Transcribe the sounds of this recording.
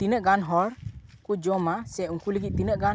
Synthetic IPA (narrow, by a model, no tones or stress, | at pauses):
t̪inəʔɡanɦɔɾkud͡ʒɔmasɛuŋkuləɡiʔ̚t̪inəʔɡa